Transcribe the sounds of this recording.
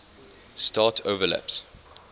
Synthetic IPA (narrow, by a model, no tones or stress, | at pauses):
stɑːˑtʰoʊvəlæ̰ps